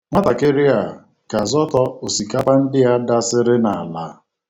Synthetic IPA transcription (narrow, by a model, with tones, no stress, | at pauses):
ŋʷa˦ta˨ke˦ɾɪ˦a˨ | ka˨zɔ˦tɔ˦o˨si˨ka˦pa˦n̩˦dɪ˦a˦da˦sɪ˦ɾɪ˦na˨la˦